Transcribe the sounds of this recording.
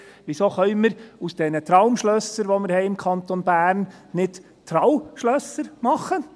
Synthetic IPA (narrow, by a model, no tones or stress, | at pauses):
ʋɪsoːχœʏməɾusd̥ɛnət̪ɾɑʊmʃlœsəɾʋoməɾhɛɪɪmkʰɑnt̪onbæːɾnnɪd | t̪ʰɾɑwmʃlœsəɾmɑχə